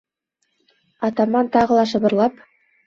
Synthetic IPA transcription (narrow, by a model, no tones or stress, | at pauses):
ɑt̪ɑmɑnt̪ɑʁɤ̆lˠɑʃɤ̆βɤ̆ɾlˠɑp